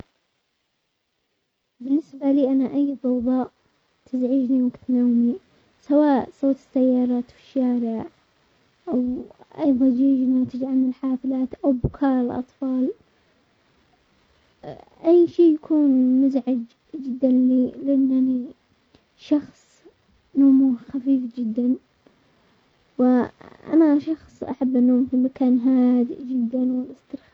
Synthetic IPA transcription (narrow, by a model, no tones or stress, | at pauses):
bɪnːɪsbaliːʔanaʔajːfɑwðˤɑːʔ | t̪ʰɪzʕiːd͡ʒniwaɡt̪nawmi | sawaːʔsˤoːt̪ˤɪ̥sːajːɑːɾˤɑːt̪wɪʃːaːɾɪʕ | ʔawʔɑjðˤɑnd͡ʒiːd͡ʒnaːt̪ɪd͡ʒʕamɪlħaːflaːt̪ʔawbʊkʰaːɾɪlʔɑ̰t̪ˤfɑːl | ʔajːʃiːjakʰuːnmʊzʕad͡ʒ | d͡ʒɪd̪ːanlilɪʔanːani | ʃɑxsˤ | noːmuxafiːfd͡ʒɪd̪ːan | wɪʔa̰maʃɑxsˤʔa̰ħabːʔanːoːmfimakaːnɦaːd̪ɪʔd͡ʒɪd̪ːanwɪlʔɪst̪ɪɾx